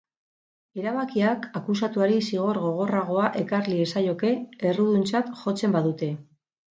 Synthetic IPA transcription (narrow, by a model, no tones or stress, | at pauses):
e̞ɾaβakiakakusat̪uaɾisiɣ̞o̞ɾɣo̞ɣ̞o̞raɣo̞aʔe̞karliesajo̞ke̞ːruðunt͡sat̪ʝo̞t͡se̞mbaðut̪e̞